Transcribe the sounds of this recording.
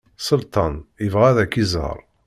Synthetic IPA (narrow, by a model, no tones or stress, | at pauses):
səlt̪ɑnjəvʁæðækːizə̰ɾˤ